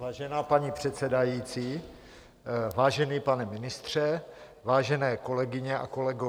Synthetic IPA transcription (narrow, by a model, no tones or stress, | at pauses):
vaːʒɛnaːpaɲipr̝̥ɛt̪sɛdajiːt͡siː | vaːʒɛniːpanɛmɪnɪst̪r̝̥ɛ | vaːʒɛnɛːko̞lɛɡɪɲɛʔa̰ko̞lɛɡo